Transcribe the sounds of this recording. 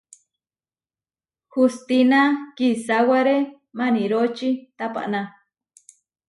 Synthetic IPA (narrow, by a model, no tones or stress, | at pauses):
hust̪inakisawaɾe | maniɾot͡ʃit̪apa̰ʔnã